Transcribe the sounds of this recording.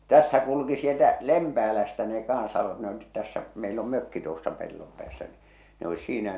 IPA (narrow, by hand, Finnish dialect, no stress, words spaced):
tæsːæ kulŭki sieltæ lempæːlæstæ ne kɑnsɑ ne olit tæsːæ meil om møkːi tuosːɑ pelːom pĕæːsːæ ni ne olis siːnæ